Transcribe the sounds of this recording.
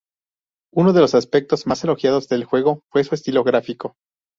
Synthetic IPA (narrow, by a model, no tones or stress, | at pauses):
uno̞ð̞e̞lo̞saspe̞k̚t̪o̞zmase̞lo̞xjað̞ozðe̞lxwe̞ɣ̞o̞fwe̞sue̞st̪ilo̞ɣɾafiko̞